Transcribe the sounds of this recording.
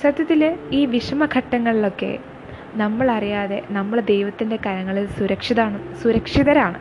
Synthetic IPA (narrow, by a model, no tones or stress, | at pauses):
sɐd̪ʱjɐt̪ːiliːʋiʂɐmɐkʰɐʈːɐŋːɐɭilo̞kːe̞̰ | nɐmːɐɭɐrijaːðe̞̰nɐmːɐɭd̪ejʋɐt̪ːinde̞kɐɾɐŋːɐɭilsuɾɐkʂiðaːɳɨsuɾɐkʂiðɐɾaːɳɨ̰